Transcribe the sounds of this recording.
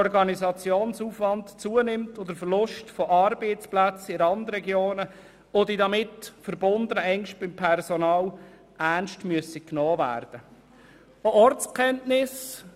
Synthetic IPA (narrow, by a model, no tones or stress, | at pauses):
ɔrɡɑnizɑt͡sjoːnsuːfʋɑntt͡suənɪmtod̪əfərlʊʃtfɔʔɑɾbeɪt͡splæt͡sɪəɾɑndɾɛɡjoːnə | odidɑmɪtfəɾbʊnd̪ənəɛŋʃt̚b̥ɪmpʰɛrsɔnɑːl | ʔænʃtmyəsiknɔːvæ̰ːrd̥ə | oɔrt͡skχɛntnɪs